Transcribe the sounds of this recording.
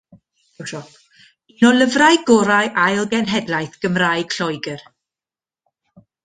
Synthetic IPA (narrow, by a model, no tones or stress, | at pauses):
wʃɔp | inɔlˠəvrajɡɔɾajʔajlˠɡɛnɦɛdlajθɡ̥əmrajɡ̥ɬɔjɡər